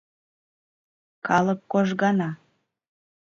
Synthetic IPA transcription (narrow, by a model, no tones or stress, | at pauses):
kɑlˠəkːoʒɣɑnɑ